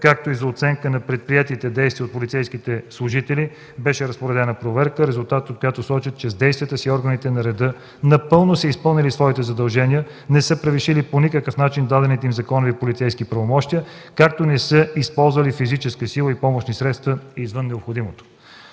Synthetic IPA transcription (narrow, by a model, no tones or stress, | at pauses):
kak̚t̪oizɐot̪sɛŋkənɐpɾɛt̪̚pɾiɛt̪it̪ɛd̪ɛjst̪viəot̪polit̪sɛjskit̪ɛslˠʊʒit̪ɛli | bɛʃɛɾɐspoɾɛd̪ɛnəpɾovɛɾkəɾɛzʊlˠt̪at̪ot̪̚kojat̪osɔt͡ʃət̪̚t͡ʃɛzd̪ɛjst̪vʲijət̪əsiɔɾɡənit̪ɛnɐɾɛd̪ɤ | nɐpɤlˠnosəispɤlˠnʲilisvɔit̪ɛzɐd̪ɐlˠʒɛnʲijə | nɛsɤpɾəviʃiliponikəkəfnat͡ʃind̪ad̪ɛnit̪ɛimzɐkɔnovipolit̪sɛjskipɾɐvomɔʃt̪ijəkak̚t̪onɛsəispɔlˠzvəlifizit͡ʃɛskəsilˠəipɔmoʃnisɾɛt̪st̪vəizvənːɛopxod̪imot̪o̥